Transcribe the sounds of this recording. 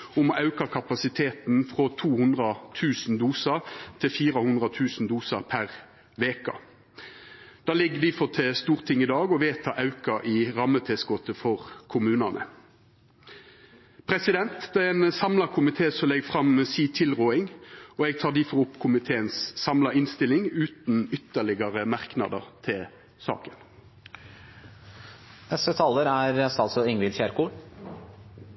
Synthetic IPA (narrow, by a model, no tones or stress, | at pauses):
ʊmɔʔɑʉkɑkʰɑpɑsɪt̪ʰeːt̪n̩fʁɔt̪ʰuːhʉnd̪ʁɑt̪ʰʉːsn̩d̪uːsɑʁt̪ʰɪfiːʁəhʉnd̪ʁɑt̪ʰʉːsn̩d̪uːsɑʁpʰæʁ | ʋeːkɑ̰ | d̪̥ɑːlɪɡːəd̪ɪfɔʁt̪ʰeːst̪uːʁt̪ʰɪŋːɪd̪ɑːɡɔʋeːt̪ʰɑːʔɑʉkɑʔɪʁɑmːət̪ʰɛsɡɔt̪əfɔʁkʰʊmʉːnɑnʔə̰ | pʰɾɛsɪd̪ɛnt̪d̪ɛɛɛnsɑmlɑkʰʊmɪt̪ʰeːsɔlɛɡfʁɑmsiːt̪ʰɪlʁoːɪŋɔɛɡ̚t̪ʰɑːʁd̪iːfɔʁʊpːkʰʊmɪt̪ʰeːənssɑmlɑɪnst̪ɪlɪŋʉːt̪nʏt̪ːəɭɪɡɑʁəmɑʁknɑ̰d̪ə̰ʁt̪ʰɪl | sɑ̰ːkən | nɛst̪ət̪ʰɑːlːəɾæɾɛst̪ɑlsɔɪŋʋɪlfjæɾkuːɽ